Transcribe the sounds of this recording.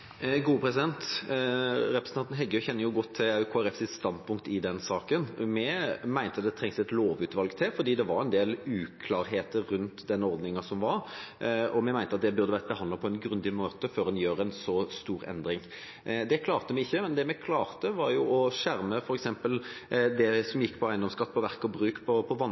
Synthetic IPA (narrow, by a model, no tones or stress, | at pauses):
ɡuːəpʰɾɛsɪd̪ɛnt̪ | ɾɛpɾɛsnɑnt̪n̩ɦɛɡːəçɛnːəjʊɡɔt̪ʰːɪɑʉkʰoːæɾɛfsɪst̪ɑnd̪pʰʊŋkt̪ɪd̪ɛnsɑːkənmɛmæɪnt̪əɑt̪̚d̪ɛt̪ʰɾɛŋsɛt̪loːʋʉːt̪ʋɑlɡt̪ʰɪfɔɾd̪iːd̪ɛʋɑɾɛnd̪eːlʉːkʰlɑːɾɦeːt̪əɾːʉnt̪d̪ɛnːɔɾd̪nɪŋɑsɔmʋɑɾ | ɔmɛmæɪnt̪əɑt̪̚d̪ɛbʉɾd̪əʋæːɾəbəɑnd̪ɑpʰɔɛnɡɾʉnd̪ɪmoːt̪əføːɾd̪ɛnjøːɾɛnsɔst̪uːɾɛ̰nd̪ɾɪŋ | d̪ɛkʰlɑːʁt̪əmɛɪçːəmɛnd̪ɛmɛkʰlɑːɾt̪əʋɑɾjʊɔʃæɾməfɔɾɛksɛmpəld̪ɛsɔmjɪkːpʰɔæɪnd̪ɔmskɑt̪ːəpʰɔʋæʁkɔbɾʉːkpʰɔpʰɔʋɑn